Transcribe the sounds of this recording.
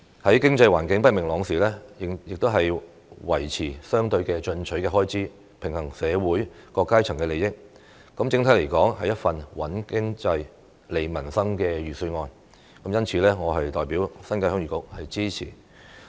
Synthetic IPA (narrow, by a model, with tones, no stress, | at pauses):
hɐ˨˥jkɪ˥ŋt͡sɐ˧jwaː˨˩nkɪ˨˥ŋpɐ˥t̚mɪ˨˩ŋlɔː˨˧ŋsiː˨lɛː˥˨jɪ˨k̚t̪o˥wɦɐ˨j | wɐ˨˩jt͡sʰiː˨˩sœː˥ŋt̪ɵ˧ɥkɛː˧t͡ʃɵ˧nt͡ʃʰɵ˨˥ɥkɛː˧ɦɔː˥jt͡sʰiː˨˥ | pʰɪ˨˩ŋhɐ˨˩ŋsɛː˨˧wuː˨˥jkɔː˧kːaː˥jt͡sʰɐ˨˩ŋkɛː˧le˨jɪ˥k̚ | kɐ˨˥mt͡sɪ˧ŋt̪ʰɐ˨˥jle˨˩jkɔː˨˥ŋhɐ˨jɐ˥t̚fɐ˨nwɐ˨˥nkɪ˥ŋt͡sɐ˧j | le˨˧jmɐ˨˩nsɐ˥ŋkɛː˧ɥyː˨˩sɵ˧ŋɔː˧n | kɐ˨˥mjɐ˥nt͡sʰiː˨˧˥lɛː˥ŋɔː˨˧ɦɐ˨jt̪ɔː˨jpiː˨˥wsɐ˥nkaː˧jhœː˥ŋɥyː˨kʊ˨˥k̚hɐ˨jt͡siː˥t͡sʰḭː˨˩